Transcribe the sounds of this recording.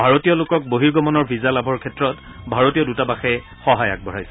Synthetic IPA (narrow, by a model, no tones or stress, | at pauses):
bʱaɹotijɔlʊkɔk̚boɦiɹɡɔmɔnɔɹbʱizalabʱɔɹkʰɛtɹɔt | bʱaɹotijɔdutabaxɛ | xɔɦaja̰k̚bʱɔɹajsɛ